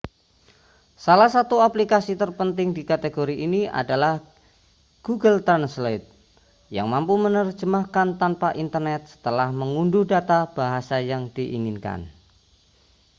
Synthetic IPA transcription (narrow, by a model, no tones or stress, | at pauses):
salahsat̪uaplikasit̪ərpənt̪ɪŋdikat̪eɡoɾiʔiniʔa̰dalah | ɡ̥uɡəlt̪anslet̪̚ | ja̰ŋmampumənərd͡ʒəmahkant̪anpaʔint̪ərnɛt̪̚sə̥t̪əlahməŋundʊhdat̪ab̥aɦasajaŋd̥iʔiŋinka̰n